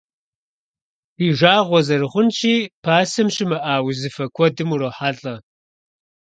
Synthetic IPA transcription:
iːʒʷaːʁʷɔzɐrɨχʷʊnt͡ʃʰʼiːpʰaːsɐmɕɪmɐʔaːwizɨfɐkʷʰɔdɨmuɾoːħaːɬʼɐ

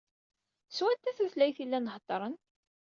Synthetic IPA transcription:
swænt̪ːæθæθlæjθilːænəht̪ˤːɾˤən

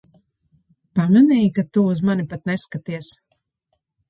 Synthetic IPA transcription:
pamɛnɛjikat̪uuzmanipat̪̚nɛskat̪iɛs

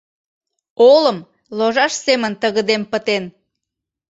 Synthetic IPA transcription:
oləm | loʒɑʃsemənt̪əɣəd̪empət̪en

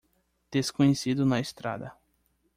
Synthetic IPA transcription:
d̪̥eskõɲesid̪ʊnɐest̪ɾa̰d̪ɐ

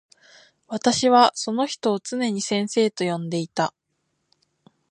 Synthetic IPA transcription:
βat̪aɕiβaso̞no̞çi̥t̪o̞ːt͡sɨne̞ɲ̟isẽ̞ɰ̃se̞ːt̪o̞jõ̞nd̪e̞it̪a

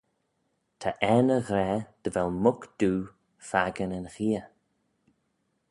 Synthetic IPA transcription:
t̪ʰaʔɛnəɣɾɛːd̪̥əvɛlmʊkd̪̥uː | faɡənənxiːə

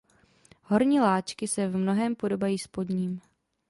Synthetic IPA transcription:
ɦo̞ɾɲiːlaːt͡ʃkɪsɛvmno̞ɦɛːmpo̞do̞bajiːspodɲiːm

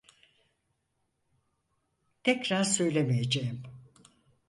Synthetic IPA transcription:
t̪ʰɛcɾaɾsø̞jlʲemejed͡ʒejim

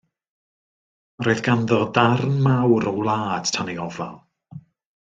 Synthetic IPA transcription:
roɨðɡ̥anðɔdarnmawɾɔwlˠaːd̥tʰaniɔva̰lˠ

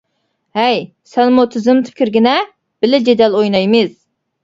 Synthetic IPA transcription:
hɛj | sɛnmut̪ʰyzɪmt̪ʰɨ̥p̚ʲkʲʰiɾɡʲinɛ | b̥ɪlɪd͡ʒed̪ɛlˠojnɑjmɨz̥

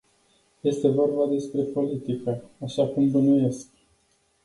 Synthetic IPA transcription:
je̞st̪e̞vo̞rbad̪e̞spɾe̞po̞lit̪ikəaʃakumbənuje̞sk

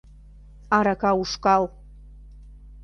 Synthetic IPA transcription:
ɑɾakɑuʃkɑlˠ

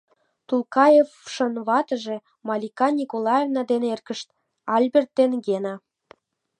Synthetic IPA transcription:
t̪ulˠkɑjefʃə̆nβɑt̪ə̆ʒe | mɑlʲikɑnʲikolˠɑjevnɑd̪enerkə̆ʃt̪ | ɑlʲbʲert̪ːenɡenɑ

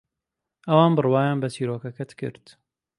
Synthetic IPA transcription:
ʔɐwɑːnbɨrwɑːjaːnbɐt͡ʃiːɾoːkɐkɐt̪kɨ̰ɾt̪

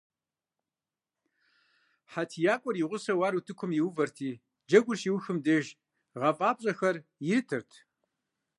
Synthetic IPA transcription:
ħatʰijaːkʷʼɔriʁʷʊsɐwaːɾutʰɨkʷʰʊmjɪwvɐrtʰiː | d͡ʒɐɡʷʊrʃiːwxɨmdɐʒ | ʁɐfʼaːpɕʼɐxɐrjɪɾɨtʰɨrtʰ

